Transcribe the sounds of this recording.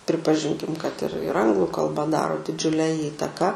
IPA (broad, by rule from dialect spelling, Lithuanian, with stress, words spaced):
pʲrʲɪpɐˈʒʲɪŋʲkʲɪm kɐt ɪr ɪr ˈɐŋɡlˠʊ kɐlˠˈbɐ ˈdɑːroː dʲɪˈd͡ʒʲʊlʲɛ ˈiːtɐkɑː